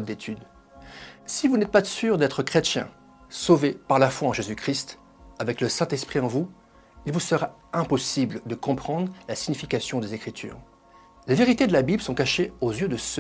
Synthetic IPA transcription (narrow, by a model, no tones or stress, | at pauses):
d̪et̪ʰyd̪ | sivunɛt̪̚pasyʁd̪ɛt̪χəkχet̪jɛ̰̃ | sovepaʁlafwaɑ̃ʒezykχist̪ | avɛkləsɛ̃t̪ɛspχiɑ̃vu | ilvusəʁa | ɛ̃pɔsibld̪əkɔ̃pχɑ̃d̪ʁlasiɲifikʲasjɔ̃d̪ezekχit̪ʰy̰ːʁ | leveʁit̪ed̪əlabibləsɔ̃kaʃeozjød̪əsø